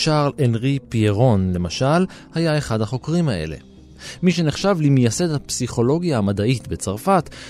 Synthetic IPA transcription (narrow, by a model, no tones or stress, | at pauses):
ʃaʁlenʁipieʁo̞nle̞maʃal | hajae̞χadhaχo̞kʁimaʔe̞̰le̞̰ | miʃ̬e̞neχʃavlimjase̞dhapsiχo̞lo̞ɡjaamadaitbet͡saʁfat